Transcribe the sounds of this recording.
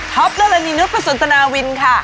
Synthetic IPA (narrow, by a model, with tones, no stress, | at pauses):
t̪ʰɔ˦˥p̚la˧la˧niː˧nu˦˥t̪̚ʰa˧˩su˨˩˦nt̪ʰa˧naː˧wi˧nkʰa˥˩